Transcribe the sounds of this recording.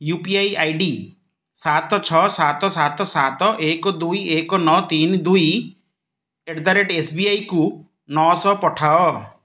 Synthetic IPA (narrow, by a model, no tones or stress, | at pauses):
jupiajajɖi | sat̪ɔt͡ʃʰɔsat̪ɔsat̪ɔsat̪ɔʔekɔd̪ujekɔnɔt̪ind̪uj | eɖd̪aɾeʈesbiajku | nɔsɔpɔʈʰaɔ